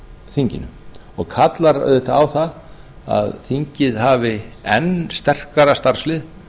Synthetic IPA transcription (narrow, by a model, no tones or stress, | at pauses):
θiɲcɪ̰nːʏ̰ | ɔɣkʰat̪laɾa̰ðɛht̪aawθað | a̰ðθiɲcɪðɦaːvɪɛnst̪ɛr̥kaɾast̪aɾ̥slɪð